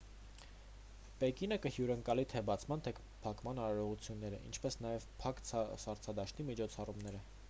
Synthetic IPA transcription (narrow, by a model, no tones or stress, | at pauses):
pɛkinəkəhjuɾəŋkɑlit̪ʰɛbɑt͡sʰmɑnt̪ʰɛk | pʰɑkmɑnɑɾɑɾɔʁut͡sʰjunːɛɾəʔḭnt͡ʃʰpɛsnɑjɛvpʰɑksɑɾt͡sʰɑd̪ɑʃt̪imit͡ʃʰɔt͡sʰɑrumnɛɾə